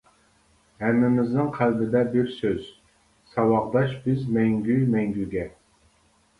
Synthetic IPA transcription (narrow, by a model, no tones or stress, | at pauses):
hɛmːɪmɪznɪŋqʰælbɪd̪ɛbɪɾsøz̥ | sɑwɑʁd̪ɑʃbɪzmɛŋɡʲymɛŋɡʲyɡʲɛ